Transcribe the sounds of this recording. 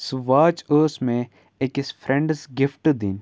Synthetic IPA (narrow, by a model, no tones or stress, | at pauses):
sʋaːt͡ʃoːsmẽ | ekɪsfʰɾẽɳɖsɡɪfʈd̪in